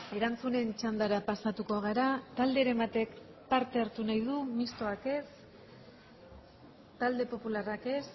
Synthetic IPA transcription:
e̞ɾant͡sune̞nt͡ʃand̪aɾapasat̪uko̞ɣ̞aɾat̪ald̪e̞ːɾe̞mbat̪e̞k | paɾt̪e̞aɾt̪unajðumist̪o̞ake̞s | t̪ald̪e̞po̞pularake̞s

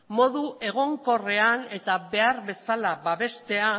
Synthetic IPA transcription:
mo̞ðuʔe̞ɣ̞o̞ŋko̞re̞ane̞t̪aβe̞aɾβe̞salaβaβe̞st̪e̞a

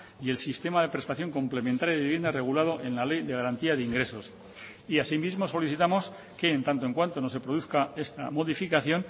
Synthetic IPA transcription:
ie̞lsist̪e̞maðe̞pɾe̞spaθjo̞ŋko̞mple̞mẽnt̪aɾjaðiβje̞nd̪are̞ɣ̞ulað̞o̞ʔe̞nlale̞jðe̞ɣaɾant̪iaðeiŋɡɾe̞so̞s | iasimizmo̞so̞liθit̪amo̞s | ke̞ːnt̪ant̪oe̞ŋkwant̪o̞no̞s̬e̞pɾo̞ð̞uθkae̞st̪a̰mo̞ðifikaθjo̞n

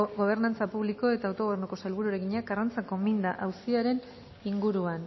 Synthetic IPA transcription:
ɣo̞β̞e̞ɾnant͡sapuβliko̞e̞t̪aːwt̪o̞ɣrnuko̞salβuɾuaɾeɣiɲeakarant͡sako̞mind̪aʔawsiaɾe̞n | iŋɡuɾuan

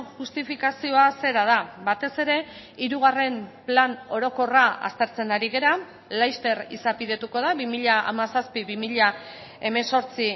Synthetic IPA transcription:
ʝust̪ifikasio̞ase̞ɾað̞abat̪e̞se̞ɾe̞ | iɾuɣ̞are̞mplano̞ɾo̞ko̞raa̰st̪e̞ɾt͡se̞naɾiɣ̞e̞ɾa | lajst̪e̞ɾḭsapið̞e̞t̪uko̞ðaβimiʎaa̰masaspiβimiʎa | e̞me̞nso̞ɾt͡si

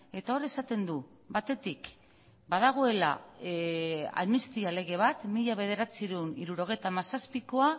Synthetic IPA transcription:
e̞t̪ao̞ɾesat̪e̞nd̪u | bat̪e̞t̪ik | baðaɣ̞o̞e̞la̰ | a̰ðmist̪iale̞ɣe̞β̞at̪miʎaβ̞e̞ð̞e̞ɾat͡siɾuwniɾuɾo̞ɣ̞e̞jt̪amasaspiko̞a

